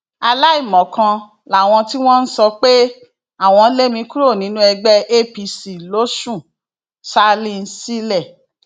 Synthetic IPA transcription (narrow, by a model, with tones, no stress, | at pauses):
a˧la˦i˦˨mɔ̃˨kã˧ | la˨w̃ɔ̃˧ti˦w̃ɔ̃˦n̩˦sɔ˧k͡pe˦ | a˦˨w̃ɔ̃˧n̩˦le˦mĩ˧˦ku˦ɾo˦˨nĩ˨˦nũ˦ɛ˧ɡ͡bɛɛ˦ʔe˦pi˧si˨lo˦ʃũ˦˨ | sa˦li˧n̩˧˦si˦lɛ˦˨